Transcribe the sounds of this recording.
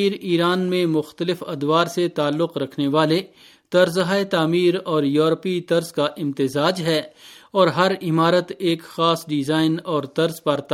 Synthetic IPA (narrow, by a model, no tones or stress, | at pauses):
iːɾiːɾaːnmẽmʊxt̪əlɪfɐd̪ʋaːɾset̪aːlːʊqɾɐkʰneʋaːle | t̪ɐɾzɦaːet̪aːmiːɾɔːɾjuːɾpit̪ɐɾzkaʔɪ̃mt̪ɪzaːd͡ʒɦɛːɔːɾɦɐɾɪmaːɾət̪eːkxaːsɖɪzaːɪnɔːɾt̪ɐɾzpɐɾt̪ː